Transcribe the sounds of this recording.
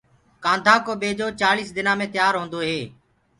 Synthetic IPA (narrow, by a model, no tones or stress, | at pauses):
kãːnd̪ʱaːkoːɓeːd͡ʒoːt͡ʃaːliːsd̪ɪnaːmẽːt̪jaːɾɦõːnd̪oːɦeː